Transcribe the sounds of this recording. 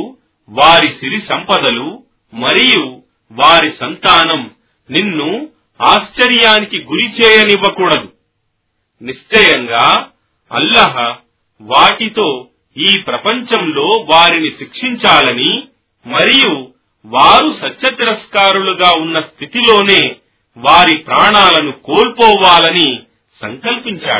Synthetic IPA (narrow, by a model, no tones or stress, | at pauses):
ʋaːɾisiɾisɐmpɐd̪ɐlu | mɐɾiju | ʋaːɾisɐnt̪aːnɐm | ninːu | aːst͡ʃɐɾjaːnikiɡuɾit͡ʃɛːjɐniʋːɐkuːɽɐd̪u | niʂt͡ʃɐjɐŋɡaː | ɐ̰lːɐɦɐ | ʋaːʈit̪o̞ː | iːpɾɐpɐɲt͡ʃɐmlo̞ːʋaːɾiniʃikʂiɲt͡ʃaːlɐni | mɐɾiju | ʋaːɾusɐtːʃɐt̪iɾɐskaːɾuluɡaːunːɐst̪ʰit̪ilo̞ːne̞ː | ʋaːɾipɾaːɳaːlɐnukoːlpɔːʋaːlɐni | sɐŋkɐlpiɲt͡ʃa̰ːɽu